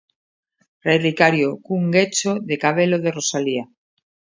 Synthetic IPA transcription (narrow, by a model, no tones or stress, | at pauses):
rejrikaɾjokuŋɡet͡ʃoðekaβ̞eloðerosalia